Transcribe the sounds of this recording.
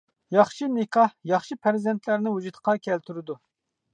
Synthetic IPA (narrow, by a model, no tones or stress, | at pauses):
jɑχʃimekʰɑhjɑχʃipʰæɾzɛnt̪ʰlæɾnɪwud͡ʒut̪qʰɑkʲʰɛlt̪ʰyɾɪd̪u